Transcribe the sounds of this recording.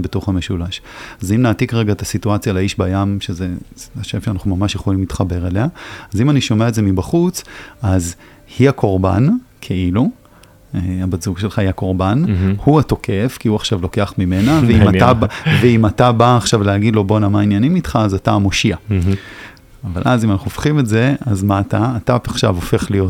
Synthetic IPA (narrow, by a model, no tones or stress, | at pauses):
beto̞χame̞ʃulaʃazimnaːtikʁe̞ɡaet̪asituat͡sjalaiʃbajamʃeze̞aʃevʃeanaχumamaʃjeχo̞limlitχabe̞ʁeleaazimaniʃo̞meaetdze̞mibaχut͡saz | hiakʰo̞ʁba̰nkʰeilu | eabazuɡʃe̞lχaiako̞ʁbanhuato̞kʰe̞fkiuaχʃavlo̞ke̞aχmime̞naveimaaveimatabaːχʃavlehaɡidlo̞bonamainjanimitχaːzatamo̞ʃia | ava̰lʔa̰zimanaχuofχimetze̞azmaːtaːtapaχʃa̰vofe̞χlijo̞t